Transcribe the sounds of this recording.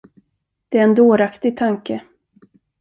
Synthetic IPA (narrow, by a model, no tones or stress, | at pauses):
d̪̥ɛæɾɛnd̪oːɾakt̪ɪɡ̚t̪ʰaŋkə